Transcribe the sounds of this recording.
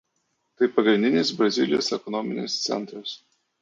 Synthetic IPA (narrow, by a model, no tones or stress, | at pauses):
t̪ɐɪpɐɡɾʲɪnd̪ʲɪnʲɪs̬bɾɐzʲɪlʲɪjo̰ːsɛkɔnɔmʲɪnʲḛst̪sʲɛ̰nˑt̪ɾɐs